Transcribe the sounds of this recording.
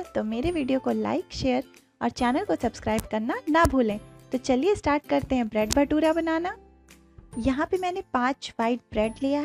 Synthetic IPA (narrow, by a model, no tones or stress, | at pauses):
t̪omeːɾeʋiːɖijokola̰ːɪkʃeːəɾ | ɔːɾt͡ʃɛːnəlkosɐbskɾaːɪbkɐɾnanɐbʱuːlẽːt̪ot͡ʃɐliesʈaːɾʈ̚kɐɾt̪eɦɛ̃bɾɛːɖbʱɐʈuːɾabɐnaːna | jɐɦãpemɛːnepãːt͡ʃʋaːɪʈ̚bɾɛːɖlijaɦɛ